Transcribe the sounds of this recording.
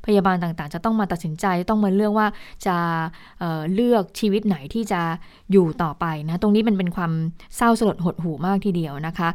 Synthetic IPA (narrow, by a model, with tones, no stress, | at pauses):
pʰa˧jaː˧baː˧nt̪aː˨˩ŋt̪aː˨˩ŋt͡ɕa˨˩t̪ɔ˥˩ŋmaː˧t̪a˨˩t̪̚si˩˦nt͡ɕa˧jt͡ɕa˨˩t̪ɔ˥˩ŋmaː˧lɯ˥˩ək̚waː˥˩t͡ɕa˨˩ | ʔɤː˨˩lɯ˥˩ək̚t͡ɕʰiː˧wi˦˥t̪̚na˩˦jt̪ʰiː˥˩t͡ɕa˨˩ | juː˨˩t̪ɔː˨˩pa˧jna˦˥t̪o˧ŋniː˦˥ma˧np̬e˧nkʰwaː˧msa˥˩wsa˧lo˨˩t̪̚ɦo˨˩t̪̚ɦuː˨˩maː˥˩k̚t̪ʰiː˧˩di˧əwna˦˥kʰa˦˥